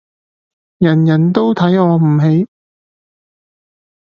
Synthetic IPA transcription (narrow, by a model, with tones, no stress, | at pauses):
jɐ˨˩njɐ˨˩nt̪o˥wt̪ʰɐ˨˥jŋɔː˨˧m̩˨˩ɦe˨˥j